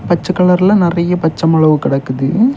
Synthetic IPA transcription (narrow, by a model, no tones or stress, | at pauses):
pɐt͡ʃːɐkːɐɭɐɾɪlɐnɪrɐjɐpɐt͡ʃːɐmɐɭɐʋɯkɪɽɐkːɯðɯ